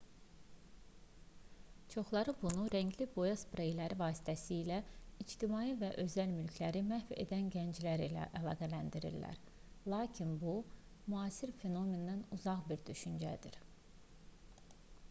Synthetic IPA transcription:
t͡ʃʰo̞χlˠɑɾɯbunuɾæɲɟlibo̞jɑspɾejlæɾivɑːsi̥t̪ʰæsiːlæid͡ʒt̪ʰimɑːivæʔø̞zælmylcʰlæɾimæhfe̞̰d̪ænɟænd͡ʒlæɾilæ̰ʔælˠɑːɡælænd̪iɾḭllːæ̰ɾ | lˠɑːcʰinbu | muɑːsiɾfe̞no̞me̞nd̪ænuzɑʁbiɾd̪yʃynd͡ʒæ̰d̪iɾ

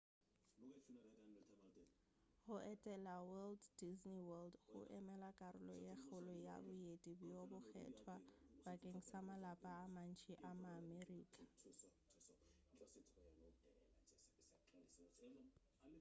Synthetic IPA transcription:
ɣʊʔɛtʼɛlawɛlddizniwɛldɣʊ̰ʔɛmɛlakʼaɾʊ̰lɔ̰jexʊlʊja̰bʊjetʼibʊjobʊxʰɛ̰tʰwabakʼeŋ̩samalapʼaːman̩t͡ʃʰʼiʔamaːmeriːkʼḁ

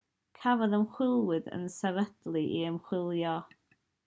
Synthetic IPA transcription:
kʰavɔðəmχwɪlˠwɨðə̰nsɛvəd̥lˠiʔiəmχwɪlˠjɔ

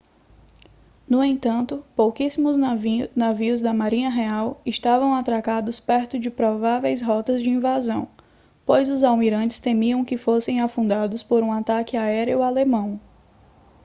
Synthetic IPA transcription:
nʊẽnt̪ɐ̃nt̪ʊpowkisimʊznaviʊzd̪ɐmaɾĩɲɐɦeawɪst̪avɐ̃w̃at̪ɾakad̪ʊspɛɾt̪ʊd͡ʒɪpɾɔvavejsɦɔt̪ɐzd͡ʒɪĩvazɐ̃w̃ | pojzʊzawmiɾɐ̃nt͡ʃɪ̥st̪ẽmiɐ̃w̃kɪfosẽj̃afũd̪ad̪ʊspoɾũat̪akɪaɛɾiʊalemɐ̃w̃

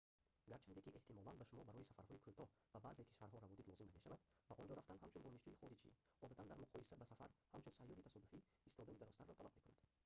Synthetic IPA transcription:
ɡaɾt͡ʃʰand̪ekiʔeht̪ʰimɔlanbaʃumɔbaɾɔjisafa̰ɾhɔikʰut̪ʰɔbabaʔzekʰi̥ʃvaɾɦɔɾavɔd̪it̪lɔzimnameʃavad̪baʔɔnd͡ʒɔɾaft̪and̪ɦamt͡ʃʰund̪ɔniʃd͡ʒuhiχɔɾit͡ʃʰḭɔd̪at̪ʰand̪aɾmuqʰɔjisabasafa̰ɾhamt͡ʃʰunsajːɔɾit̪asɔd̪ufiːst̪ʰɔd̪anid̪aɾɔst̪aɾrːɔt̪ʰalabme̞kunad̪̥

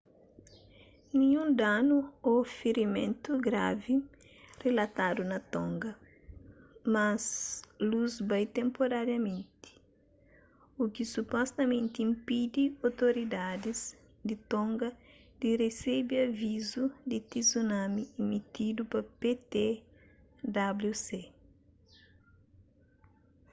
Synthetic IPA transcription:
nĩɲũnd̪anuofeɾimẽnt̪uɡɾa̰vi | relɐt̪ad̪unɐt̪ɔ̃ŋɡɐ | mɐsluzbajt̪ẽmpoɾaɾjɐmẽnt̪i̥ | ukisupɔst̪ɐmẽnt̪iĩmpid̪iowt̪oɾid̪ad̪iz | d̪it̪õŋɡɐ | d̪̥iresebiɐvizud̪it̪izunãmiːmit̪id̪upɐpet̪e | d̪abluse

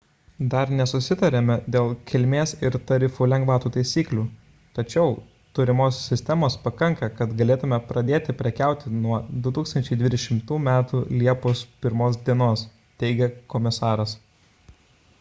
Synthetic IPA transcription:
d̪ɐɾnʲɛsʊsʲɪt̪ɐɾʲemʲɛd̪ʲeːlˠkʲɪlʲmʲeːsɪɾt̪ɐɾʲɪfuːlʲɛŋɡʋɑːt̪uːt̪ɐɪsʲiːklʲuː | t̪ɐt͡ʃʲɛʊ | t̪ʊɾʲɪmoːsːʲɪsʲt̪ʲɛmoːspɐkɐŋkɐkɐt̪ɡɐlʲeːt̪ʊmʲɛpɾɐd̪ʲeːt̪ʲɪpʲɾʲɛkʲæˑʊt̪ʲɪnuɔd̪ʊt̪uːkst̪ɐnʲt͡ʃʲɛɪd̪ʲʋʲiːd̪ʲɛʃʲɪmt̪uːmʲæːt̪uːlʲiɛpospʲɪɾmoːs̬d̪ʲiɛnoːs | t̪ʲɛɪɡʲɛkɔmʲɪsɑːɾɐs

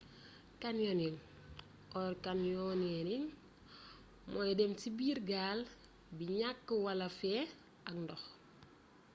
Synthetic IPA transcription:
kanjɔniŋ | ɔrkanjɔnɛniŋ | mɔjdɛmtibiːɾɡaːl | biɲakːəwɐlɐfɛː | ɐkndɔx

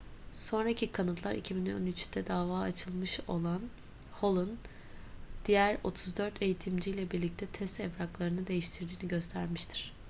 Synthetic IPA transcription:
so̞nɾacʰikʰanɯt̪lˠaɾḭcʰibino̞̰nyt͡ʃd̪̥ɛd̪aːvaːat͡ʃʰɯlˠmɯʃo̞lˠan | ho̞lˠun | d̪̥ijæɾo̞t̪ʰuzd̪øɾt̪ʰe̞jit̪ʰimd͡ʒijlʲɛbiɾlʲic̚t̪ʰɛt̪ʰɛst̪ɛbɾaklˠaɾɯnɯd̪e̞jiʃt̪ʰiɾd̪iːniɟø̞st̪ʰæɾmiʃt̪ʰi̥ɾ̥

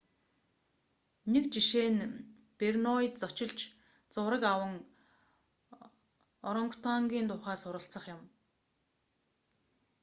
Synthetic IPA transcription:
nekt͡ɕiʃeːn | pernɔit̪̚t͡sɔt͡ɕɪ̆ɮt͡ɕ | t͡sʊːɾə̆kawə̆ŋ | ɔɾɞŋkʊ̥t̪ʰaŋɡʲiːnt̪ʊːχæːsʊɾə̆ɬt͡sə̆χjʊ̆m

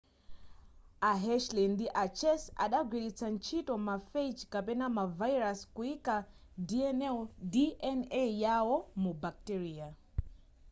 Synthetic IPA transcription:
aɦɛʃlindiʔat͡ʃʰɛsa̰ɗaɡwiɾit͡sʰant͡ʃʰitɔmafejt͡ʃkapɛnamavajɾaskuika | diɛnɛdiʔɛnejawɔmubak̚tɛɾiːa

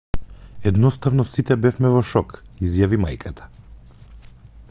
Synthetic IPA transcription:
ɛd̪nɔst̪avnɔsit̪ɛbɛfmɛvɔʃɔkizjavima̰jkʰat̪ʰḁ

